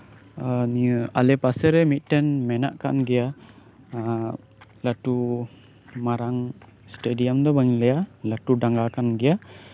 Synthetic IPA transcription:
aniəa̰lɛpasɛɾɛmit̪̚ˀʈɛnmɛna̰ʔka̰nɡɛja | laʈu | maɾaŋsʈeɖijamd̪ɔbaŋlɛjalaʈuɖaŋɡakanɡɛja

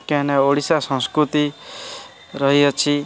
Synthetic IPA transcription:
kɛ̃neoɽisasə̃nskɾut̪i | ɾəɦiʌt͡ʃʰi

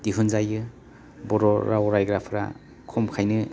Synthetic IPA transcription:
d̥iɦunzajɯ | bɔɾɔɾawɾajɡɾapʰɾa̰ | kʰɔmkʰajnɯ

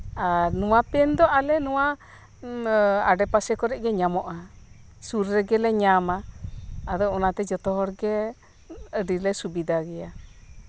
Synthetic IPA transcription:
anuwãpɛnd̪oʔalenua | aɖɛpasɛkɔɾɛʔɡɛɲamɔʔa | suɾɾeɡɛlɛɲamaː | d̪ounat̪ɛd͡ʒɔt̪ɔɦɔɾɡe | əɖilɛsubid̪aɡia

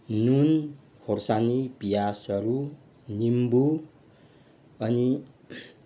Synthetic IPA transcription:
nun | horsanibijasʌɾu | nimbu | ʌni

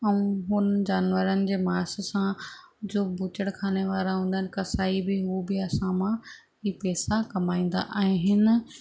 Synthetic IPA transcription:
ɛ̃ũɦʊnd͡ʑaːnʋəɾənɪ̆d͡ʑeːmaːssã | d͡ʑoːbʊt͡ɕəɽkʰaːneʋaːɾaɦũːnd̪aɦɪnɪ̆kɐsaːibɪɦubɪɐsãmã | ɦiːpɛːsakɐmaːĩːn̆d̪a̰ʔaːɦẽɦɪnɪ̆

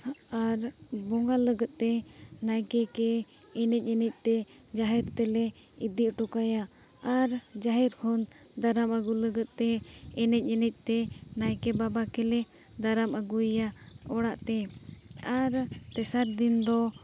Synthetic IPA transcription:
aɾ | bɔŋɡaləɡət̪̚t̪ɛ | najkɛkɛ | ɛnɛc̚ɲənɛc̪̚ˀt̪ɛ | d͡ʒaɦɛɾt̪ɛlɛ | id̪iʔʈɔkajaː | ɾd͡ʒaɦɛɾkʰɔn | d̪aɾaməɡuləɡət̪̚t̪ɛ | ɛnɛc̚ˀɲənɛc̪̚ˀt̪ɛ | najkɛbabakɛlɛ | d̪aɾaməɡuja | ɔɽaʔt̪ɛ | aɾt̪ɛsaɾd̪ind̪ɔ

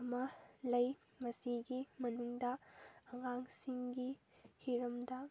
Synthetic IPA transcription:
mɐlɐj | mɐsiɡimɐnuŋdɐɐŋaŋsiŋɡi | hiɾɐmdɐ

